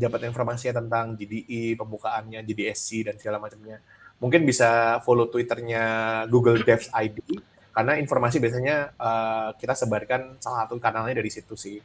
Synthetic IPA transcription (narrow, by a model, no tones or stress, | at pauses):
dapat̪informasiat̪ənt̪aŋd͡ʒidiʔipəmbukaʔːnɲad͡ʒidiɛsidansiɡalamat͡ʃəmɲa | muŋkɪnbisafolot̪uwit̪ərɲaɡuɡəldɛfajdi | karnainformas̬ibias̬aɲaəkit̪asəbarkansalasat̪ukanalɲadaɾisit̪usɪh